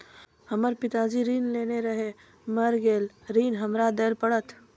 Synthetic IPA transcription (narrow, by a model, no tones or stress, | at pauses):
həməɾpɪt̪aːd͡ʒiɾiːnleːneɾəɦe | məɾɡeːlɾiːnɦəmɾad̪eːɾpəɽət̪